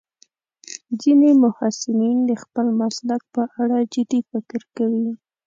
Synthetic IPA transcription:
zinemʊhasɪmind̪əxpəlmaslak̚pəʔaɽad͡ʒɪd̪ifɪkɾkawi

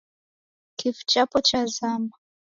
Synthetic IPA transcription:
kifu̥t͡ʃapɔt͡ʃazama

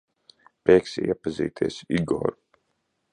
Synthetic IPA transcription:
pʲɛːksḭḭɛpazḭːt̪ʰiɛsiɡɔ̰ːɾu

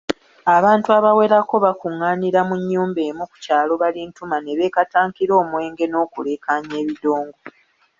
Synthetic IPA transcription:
aβaːntuaβawe̞ɾako̞βakuŋːaːniɾamuɲːuːmbe̞ːmuku̥caːlo̞βalintumane̞βe̞ːkataːŋkiɾo̞ːmwe̞ːŋɡe̞no̞ːkule̞ːkʰaɲe̞ːβido̞ːŋɡo̞

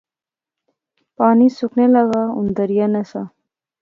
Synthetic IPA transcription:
pɑːnisuknelaɣaṵnd̪ɐɾijanɐsa

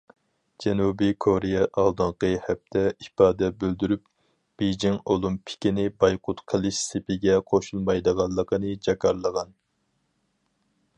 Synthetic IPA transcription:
d͡ʒɛnubikʰoɾijɛʔɑlˠd̪ɨɴqəhɛp̚t̪ʰɛipɑːd̪ɛbøld̪yɾyp | b̥ejd͡ʒiŋolˠumpʰɪ̥kʲinɪbɑjqʰʊt̪qʰəlˠɨʃsepʰɪɡʲɛqʰoʃulˠmɑjd̪əʁɑnˠːəqʰənɨd͡ʒɛkɑɾlˠəʁɑn

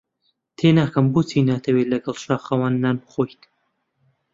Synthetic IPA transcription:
t̪ʰeːnaːkɐmbut͡sʰinaːt̪ʰɐweːlɐɡɐlʃaːxɐwanːanχoːjt̪

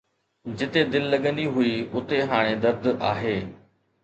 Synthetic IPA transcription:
d͡ʑɪt̪ed̪ɪlːɐɠə̃nd̪iɦʊiʊt̪eɦaːɽ̃ed̪ɐɾd̪aːɦeː

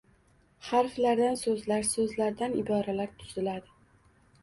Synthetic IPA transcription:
haɾflaɾd̪ansɵzlaɾsɵzlaɾd̪anɪb̪ɒɾalaɾt̪ʰʊzɪlad̪ɪ

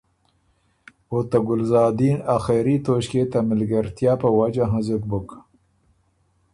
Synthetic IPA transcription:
ot̪aɡʊlzɑːd̪iːnaxeɾit̪oʃket̪amɪlɡaɾt̪jɑːpəwad͡ʒaɦãzʊk̚bʊk

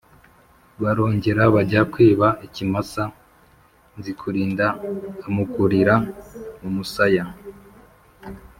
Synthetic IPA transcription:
βaɾo̞ːɲɟe̞ɾaβaɟakweːβaʔicimasa | nzikʰuɾiːndaːmukuɾiɾamumusaja

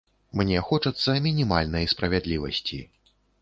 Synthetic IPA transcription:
mnʲɛxɔt͡ʂɐt̪sːɐmʲinʲimalʲnɐjspɾɐvʲad̪lʲivɐ̰sʲt͡sʲḭ

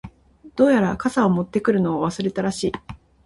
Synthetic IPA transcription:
d̪̥o̞ːjaɾakasao̞mo̞t̪ːe̞kɯ̟ɾɯ̟no̞aβ̞asɨɾe̞t̪aɾaɕiː

